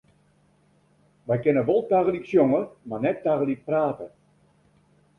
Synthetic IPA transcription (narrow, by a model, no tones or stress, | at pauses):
ʋɛjkɪnəʋolˠtaɣəliksjoŋəmarnɛtːaɣəlik̚praːtə